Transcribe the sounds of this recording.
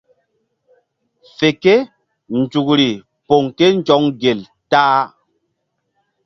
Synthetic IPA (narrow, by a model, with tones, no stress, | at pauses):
fe˨ke˦ | n˨d͡ʒu˨kɾi˨ | po˨ŋke˦n˦d͡ʒɔ˨˦ŋɡe˨l | taː˦